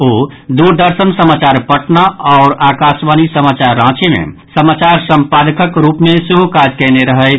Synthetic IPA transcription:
oːd̪uɾd̪əɾsənsəmaːt͡ʃaːɾpəʈnaɔːɾaːkaːsʋaːnisəmaːt͡ʃaɾːãːt͡ʃemḛ̃səmaːt͡ʃaːɾsə̃mpaːd̪əkəkɾuːpmẽsuɦokaːd͡ʒkɛːneɾəɦəɪ

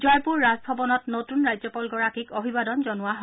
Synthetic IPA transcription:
zɔjpuɹːazbʱɔbɔnɔtnotunɹajzɔpɔlɡɔɹakikobʱibadɔnzɔnʊwaɦɔ

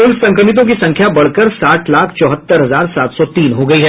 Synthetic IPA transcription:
ʊlsɐ̃ŋkɾəmɪt̪̬õk̬isɐ̃ŋkʰjabɐɽ̤kəɾsaːʈʰlaːkʰt͡ʃɔːɦət̪ːəɾɦɐzaːɾsaːt̪sɔt̪iːnɦoɡɐiɦɛː

